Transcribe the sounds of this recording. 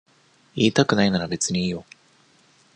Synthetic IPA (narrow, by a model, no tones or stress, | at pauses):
iːt̪akɯ̟nainaɾabe̞t͡sɨɲ̟iiːjo